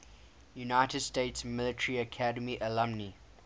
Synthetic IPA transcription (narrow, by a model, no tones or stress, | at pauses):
junaɪtədsteːtsmɪlətʰɹiəkʰadəmiʔəlãmni